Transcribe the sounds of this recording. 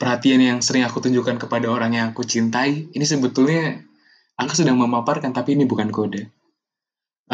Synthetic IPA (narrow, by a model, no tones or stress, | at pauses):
pərhat̪ianjaŋsəɾɪŋakut̪uɲd͡ʒukankəpadaoɾaŋɲaːkut͡ʃint̪aiinis̬əbət̪ulɲa | akusədaŋməmaparkant̪apiːnibukankoda